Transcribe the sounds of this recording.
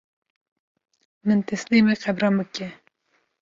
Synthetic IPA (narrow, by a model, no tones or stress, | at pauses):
mɨnt̪ɛslimeqɛbɾɑmbɨkɛ